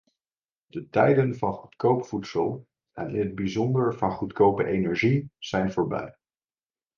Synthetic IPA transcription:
d̥ətɛjdənvɑnχutkowpfutsəlˠ | ʔɛ̰nɪnɦəd̚bizɔndəɹvɑnχutkowpəʔejnɛɹʒiz̥ɛjnvʊːɹbɛ̰j

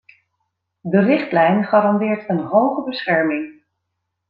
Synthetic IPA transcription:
dərɪχtlɛjnχɑːɾɑndɪːɹtənɦowχəbəsχɛɹmɪŋ

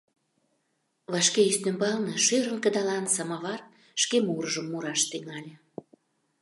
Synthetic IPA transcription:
βɑʃkeyst̪ømbɑlnɤʃyɾənkə̆d̪ɑlɑnsɑmɑβɑr | ʃkemuɾəʒəmːuɾɑʃt̪yŋɑlʲe

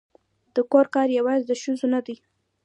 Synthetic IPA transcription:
d̪̥əkoɾkɑɾjawɑzd̪əʃuzonad̪ij

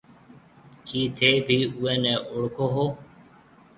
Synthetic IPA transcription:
kiːt̪ʰeːbʱiːuːɛ̃ːnɛːʔʊɽkoːɦoː

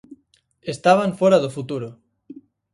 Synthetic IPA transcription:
est̪aβ̞aɱfoɾaðofut̪uɾo

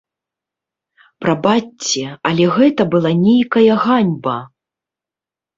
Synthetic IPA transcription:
pɾɐbat͡sʲːɛɐlʲɛɣɛt̪ɐbɨlˠanʲejkɐjɐɣanʲbɐ

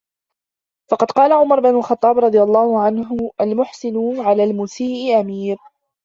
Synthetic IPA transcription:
fɑqɑd̪qɑːlaʕʊmɑɾˤbɪnʊlxɑt̪ˤːɑːbɾˤɑd̪ˤɨjalˤːɑːhʊʕanɦʊʔalmʊħsɪnʊʕalaːlmʊːsiːʔɪʔamiːɾ

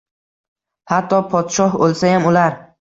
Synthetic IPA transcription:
hat̪ʰːɒpʰɒt̪ʃɒɦbolsajamʊlaɾ

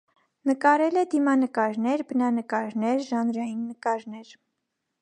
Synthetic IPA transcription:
nəkɑɾɛlɛd̪imɑnəkɑɾnɛɾbənɑnəkɑɾnɛɾʒɑnɾɑjinːəkɑɾnɛɾ

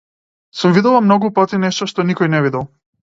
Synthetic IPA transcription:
sumvid̪ɛlˠamnɔɡupat̪inɛʃt̪ɔʃt̪ɔnikɔjnɛvid̪ɛlˠ

